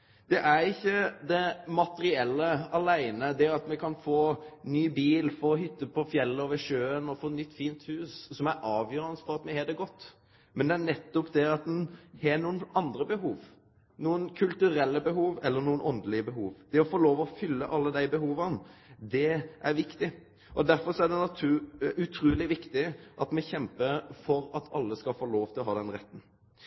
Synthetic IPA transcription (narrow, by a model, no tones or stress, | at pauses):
d̪̥ɛʔæɾɪçːəd̪ɛmɑt̪əɾɪɛlːəɑlæɪnəd̪ɛɑt̪mɛkʰɑnfoːnyːbiːlfɔɾɔɦʏt̪ːəpʰɔfjɛlːəɔːʋəʂøːənɔfoːɛt̪nʏt̪ːfiːnt̪hʉːssɔmæɾʔɑːʋjøːɾənəsfɔɾɑt̪mɛhɛd̪ɛɡɔt̪ː | mɛnd̪ɛænɛt̪ːɔpd̪ɛɑt̪̚d̪ɛnhɛnuːənɑnd̪ɾəbəɦuːʋ | nuːənkʰʉlt̪ʉɾɛlːəbəɦuːʋɛlːəɾnuːənʔɔnd̪əlɪəbəɦuːʋd̪̥ɛɔfoːloːʋɔfʏlːəʔɑlːəd̪æɪbəɦuːʋɑnd̪ɛʔæɾʋɪkt̪ɪ | ʔɔd̪æɾfɔɾsɔæɖ̪ɛnɑt̪ʰʉʉt̪ʰɾʉːlɪʋɪkt̪ɪʔɑt̪mɛçɛmpəɾfɔɾɑt̪ʰɑlːəskɑlfoːloːft̪ɪlɔɦɑːd̪ɛnɾɛt̪ːn̩